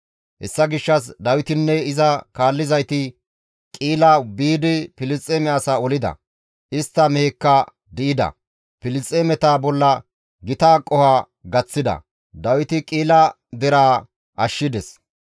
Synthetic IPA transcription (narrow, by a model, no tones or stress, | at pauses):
hɛ̰sːɐɡɪʃːɐsd̪ɐwɪt̪ɪnːɛɪzɐkaːlːɪzɐjt̪ɪ | kʼiːlɐbiːd̪ɪpɪlɪt͡sʼːeːmɛɐsɐɔlɪd̪ɐ̰ | ʔɪst̪ːɐmɛekːɐ | d̪ɪɪd̪ɐ̰ | pɪlɪt͡sʼːeːmɛt̪aːbɔlːɐ | ɡɪt̪aːkʼɔhaː | ɡɐt͡sːɪd̪ɐ̰ | d̪ɐwɪt̪ɪkʼiːlɐ | d̪ɛɾaː | ʔɐʃːɪd̪ɛs